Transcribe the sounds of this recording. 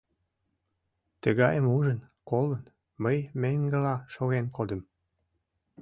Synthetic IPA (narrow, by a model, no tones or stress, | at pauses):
t̪əɣɑjəmuʒən | kolən | məjmeŋɡəlɑʃoɣenkod̪əm